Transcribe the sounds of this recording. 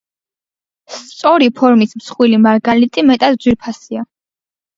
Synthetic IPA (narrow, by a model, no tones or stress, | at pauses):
st̪sʼɔɾipʰɔɾmismsχwilimaɾɡalit̪ʼimɛt̪ʼad̪d̪zwiɾpʰasia